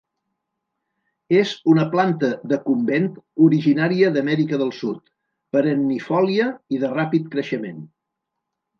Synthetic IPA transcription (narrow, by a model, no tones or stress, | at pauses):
ezunəplant̪əðəkumbent̪uɾiʒinaɾiəðəmɛɾikəðəlˠsut̪ | pəɾənːifɔliəiðərapit̪kɾəʃəmen